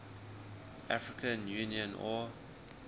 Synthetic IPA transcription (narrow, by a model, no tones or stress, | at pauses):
ʔafɹikʰə̃njuniə̃nɔ